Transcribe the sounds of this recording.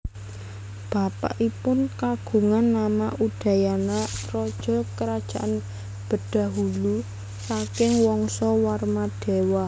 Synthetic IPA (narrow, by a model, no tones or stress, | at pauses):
b̥a̤pa̰ʔipʊnkaɡ̥ṳŋanːamaʔuɖ̥ä̤janarɔd̥ʒ̥ɔ̤kəɾad̥ʒ̥a̤ʔan | b̥ə̤d̥a̤ɦulu | sakɪŋwɔŋsɔwarmad̪̥e̤wa